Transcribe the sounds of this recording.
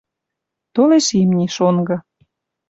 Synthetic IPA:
t̪oleʃimnʲiʃonɡɤ̆

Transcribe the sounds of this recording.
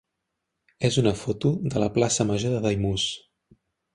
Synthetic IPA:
ezunəfot̪uðələplasəməʒoðəðəjmus

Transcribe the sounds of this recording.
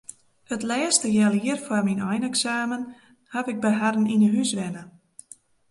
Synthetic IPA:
ətlɛːstəjɛlˠiərfwarminɔjnɛksaːmən | hapɪɡ̚bəɦadn̩inəɦysʋɛnə

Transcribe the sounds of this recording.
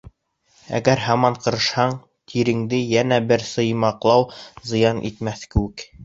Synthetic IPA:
æ̰ɡæɾhɑmɑɴqɤ̆ɾɤ̆ʃhɑɴ | t̪ʰiɾɘ̆ŋd̪ɘjænæbɘɾsɤ̆jmɑqlˠɑwzɤ̆jɑnʔḭt̪mæθkɘ̆wɘk

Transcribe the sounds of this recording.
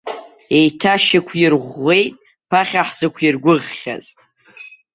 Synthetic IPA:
e̞jtʰaʃɪkʷʰɪrʁʷːe̞jtʼ | pʰaχʲaħz̥ɨkʷʰirɡʷʊʁːʲa̰z

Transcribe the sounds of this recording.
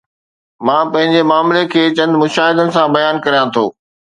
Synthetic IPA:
mãːpɐ̃ɦɪ̃ɲd͡ʑemaːmlekʰeːt͡ɕɐ̃nd̪mʊʃaːɦɪd̪ənɪ̆sãbɐjaːnkɐɾijãt̪ʰoː

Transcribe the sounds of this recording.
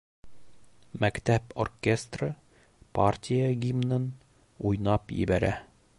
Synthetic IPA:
mækt̪æporkʲest̪rə | partʲijəɡʲimnɤn | ujnɑpjɘ̰bæɾæ

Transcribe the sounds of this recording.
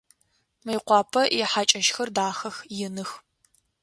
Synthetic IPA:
mɐjqʷɑːpʰɐʔɛħaːt͡ʃʼɐʃxɐrdaːxɐxjɪnɨx

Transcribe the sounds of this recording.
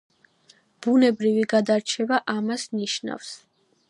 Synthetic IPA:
b̥unɛbɾiviɡad̪aɾt͡ʃʰɛvaʔamasniʃna̰fs

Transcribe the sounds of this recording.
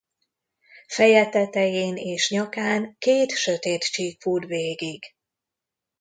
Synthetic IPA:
fɛjɛt̪ɛt̪ɛjeːneːʃɲɒkaːŋkeːt̪ʃøt̪eːt̪t͡ʃiːkfuːrveːɡiɡ̥

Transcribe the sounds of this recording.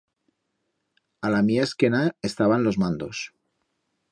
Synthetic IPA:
alamiaeskenaest̪aβanlo̞zmãnd̪o̞s

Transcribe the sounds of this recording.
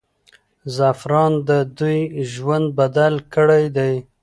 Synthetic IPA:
zafɾɑnd̪əd̪ujʒwand̪̚bad̪alkəɽajd̪aj

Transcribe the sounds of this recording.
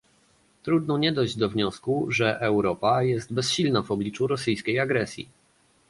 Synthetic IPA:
t̪ɾud̪nɔɲɛd̪ɔjʑd͡ʑd̪ɔvɲɔskuʐɛʔɛwɾɔpajɛst̪bɛsɕilnavɔblʲit͡ʂuɾɔsɘjskʲejaɡɾɛsʲjḭ

